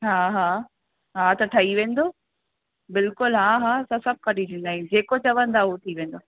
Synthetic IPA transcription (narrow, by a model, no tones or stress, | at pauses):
ɦaːɦaː | ɦaːt̪ɐʈʰɐiʋẽːnd̪oː | bɪlkʊlɦaːɦaːsãsɐb̚ʱkʰãɗit̪ĩːnd̪aːɦĩd͡ʑeːkot͡ɕɐʋə̃nd̪aɦut̪ʰiʋẽːn̆d̪oː